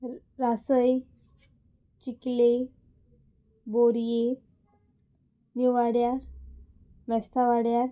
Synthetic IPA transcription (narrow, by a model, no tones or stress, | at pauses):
ɾasəj | t͡ɕikle | boɾje | niʋaɽjaɾ | mɛst̪ʰaʋaɽjaɾ